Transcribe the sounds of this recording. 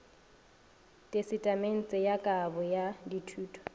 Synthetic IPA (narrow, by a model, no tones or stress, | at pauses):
tʼesɪtʼamen̩t͡sʼɪjakʼabʊjaditʰuːtʰʼɔ̥